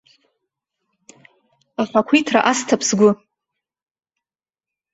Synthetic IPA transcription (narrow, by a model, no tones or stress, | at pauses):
aħʷakʷʰitʰra̰ʔastʰapʰsɡʷʊ